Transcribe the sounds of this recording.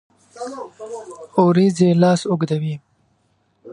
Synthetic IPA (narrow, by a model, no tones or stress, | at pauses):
oɾizelɑːsʊɡd̪awi